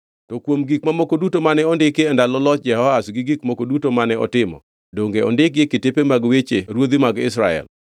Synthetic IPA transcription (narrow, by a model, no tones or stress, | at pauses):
tɔkwomɡikmamokodutomanɛɔndɪkeɛndalɔlɔt̚d͡ʒɛhɔasɡiɡikmokodutomanɛɔ̰tɪmɔ̰ | doŋɡeɔ̰ndɪk̚ɡɪketepemaɡwet͡ʃeɾwod̪imaɡɪsɾaɛ̰l